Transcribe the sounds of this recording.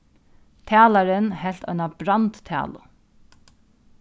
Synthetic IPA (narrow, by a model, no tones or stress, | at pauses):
t̪ʰæːlaɾɪnhɛl̥t̪ɔ̰ʏnabɾant̪ːʰæ̰ːlʊ̰